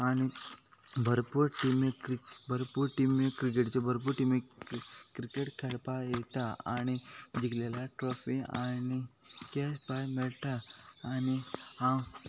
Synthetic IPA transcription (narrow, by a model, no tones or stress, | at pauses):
aːni | bʱɐɾpuɾʈimebʱɐɾpuɾʈimːekɾik̬eʈt͡ʃebʱɐɾp̬uɾʈimekɾikeʈkʰeɽpaet̪aa̰nid͡ʒiklelaʈɾoːpʰia̰ːni | kɛspajmelʈ̪aaːnihã